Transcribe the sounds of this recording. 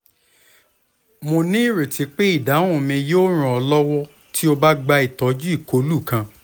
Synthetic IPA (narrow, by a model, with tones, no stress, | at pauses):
mo˧nĩ˦˨ɾe˨ti˨˦k͡pe˦i˦˨da˨˦õ˦ũ˨mĩ˧joː˦ɾ̃ũ˨ɔ˧lɔ˦wɔ˦ | tʰi˦o˧ba˦ɡ͡ba˧i˨tɔ˨˦d͡ʒu˦i˦˨ko˨˦lu˦˨kã˧